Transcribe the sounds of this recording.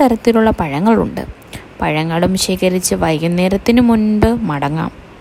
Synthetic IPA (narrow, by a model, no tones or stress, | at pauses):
t̪ɐɾɐt̪ːiluɭːɐpɐɻɐŋːɐɭṵɳɖɨ̰ | pɐɻɐŋːɐɭumiʂeːɣɐɾit͡ɕːɨʋɐjɐnːe̞ːɾɐt̪ːinumunbɨmɐɽɐŋːa̰ːm